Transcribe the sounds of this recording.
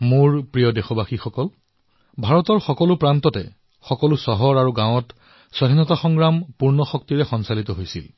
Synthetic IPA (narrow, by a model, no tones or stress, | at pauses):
muɹpɹijɔdexɔbʱaxixɔkɔl | bʱaɹɔtɔɹxɔkɔlʊpɹantɔtɛ̰ | xɔkɔlusɔɦɔɹaɹuɡãw̃ɔt | swaɦinɔtaxɔŋɡɹampuɹnɔxɔk̚tiɹɛxɔnsalitɔɦojsḭl